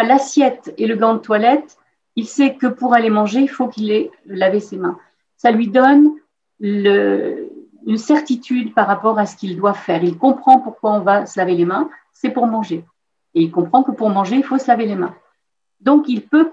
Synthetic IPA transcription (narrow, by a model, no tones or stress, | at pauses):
lasjɛt̪eləɡɑ̃d̪ət̪walɛt̪ | ilsɛkəpuʁalemɑ̃ʒeilfokilelavesemɛ̃ | salɥid̪ɔn | lə | ynsɛʁt̪it̪ʰyd̪paʁapɔʁasə̥kild̪wavfɛːʁilkɔ̃pχɑ̃puʁkwaɔ̃vasəlavelemɛ̃ | sɛpuʁmɑ̃ʒe | eilkɔ̃pχɑ̃kəpuʁmɑ̃ʒeilfosəlavelemɛ̰̃ | d̪ɔ̃kilpø